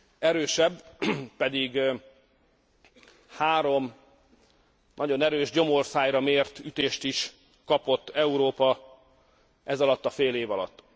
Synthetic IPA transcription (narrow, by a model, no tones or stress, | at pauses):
ɛɾøːʃɛbːpɛd̪iɡ | haːɾo̞m | nʔɒɟo̞nɛɾøːʒɟo̞morsaːjɾɒmeːrt̪yt̪eːʃt̪iʃ | kɒpo̞t̪ːɛuɾoːpɒ | ʔɛzɒlɒt̪ːɒfeːleːvɒlɒ̰t̪ː